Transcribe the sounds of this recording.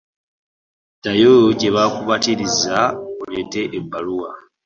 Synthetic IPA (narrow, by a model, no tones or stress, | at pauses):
tajoɟe̞βakuβatiɾizaolete̞ʔːbːaluwa